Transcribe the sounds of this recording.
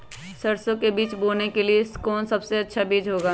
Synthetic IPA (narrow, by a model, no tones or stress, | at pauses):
sɐɾsõkebiːt͡ʃboːnekelieskoːnsɐbseɐtːʃʰabiːd͡ʒɦoːɡaː